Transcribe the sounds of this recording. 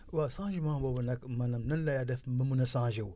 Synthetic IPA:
wasãʒimababanakmanamnanlajadafməmunasãʒiw

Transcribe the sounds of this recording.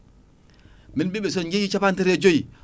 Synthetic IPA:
minɓiɓɛs̬ɔnd͡ʒejit͡ʃapantɛɾed͡ʒoj

